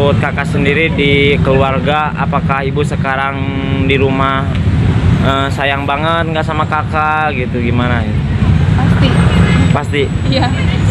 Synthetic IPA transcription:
t̪̚kakaʔsəndiɾidikəluarɡa | a̰pakahibusəkaɾaŋ | diɾumah | əmsajaŋbaŋət̪̚ŋɡaʔsamakakaɡit̪uɡimanainipast̪ipast̪ija

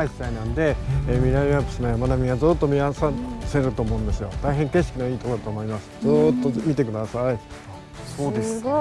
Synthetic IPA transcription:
aisi̥t̪ainãnd̪e̞emʲiɾaapɯ̟̥sɨnojamanamʲiɡazɨːt̪ːo̞mʲiasaseɾɯ̟t̪o̞ːmo̞ɯ̃nd̪e̞sɨjo̞̰t̪aiɦẽ̞ŋke̞ɕ̬kʲino̞iːt̪o̞kod̪at̪oːmoimasɨ̥zɨt̪ːo̞mʲit̪e̞kɯ̟d̪asai | so̞ːd̪e̞sɨ̥

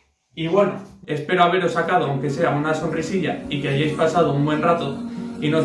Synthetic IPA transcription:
iβwe̞no̰e̞spe̞ɾo̞aβ̞e̞ɾo̞sakað̞oawŋke̞se̞aunaso̞nrisiʝaikeaʝajspasað̞o̞umbwe̞nrat̪o̞ino̞z

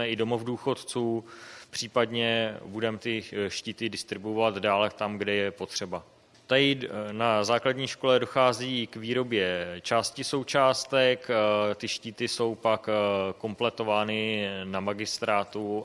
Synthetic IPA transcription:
ɛɪdo̞mo̞vduːxo̞t̪t͡suː | pr̝̥iːpadɲɛbudɛmt̪ɪʃciːt̪ɪdɪst̪ɾɪbuvat̪daːlt̪amɡdɛjɛpo̞t̪r̝̥ɛba | t̪ajɪnazaːkladɲiːʃko̞lɛdo̞xaːziːkviːɾo̞bjɛt͡ʃaːscɪso̞wt͡ʃaːst̪ɛkt̪ɪʃciːt̪ɪso̞wpakko̞mplɛt̪o̞vaːnɪnamaɡɪst̪ɾaːt̪u

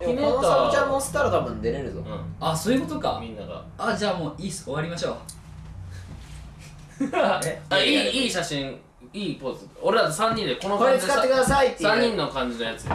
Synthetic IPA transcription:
imoãt͡ɕãmosɨ̥k̪aɾat̪abɯ̟̃nd̪e̞ɾeɾɯ̟t̪õ̰aso̞ːjɯ̟ko̞t̪o̞ka̰mʲĩnːaɡa̰ | ad͡ʑaːmo̞ːiːso̞βaɾʲimaɕo̞ː | t̪aiːiːɕaɕĩŋ | iːpot͡sɨoɾed̪at̪osãɲ̟ːĩnd̪eko̞nokoaɾekɨkat̪ːekɯ̟d̪asait̪ːesãɲːĩnːokãɲ̟d͡ʑinojat͡sɨ

